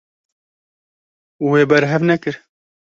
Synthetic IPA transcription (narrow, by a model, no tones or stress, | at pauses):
weːbɛɾɦɛvnɛkɨɾ